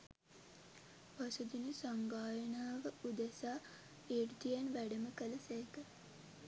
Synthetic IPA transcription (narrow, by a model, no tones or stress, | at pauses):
ʋasud̪inəsaŋɡaːjənaːʋəud̪əsaː | erd̪ijanʋæɖəməkələsæekə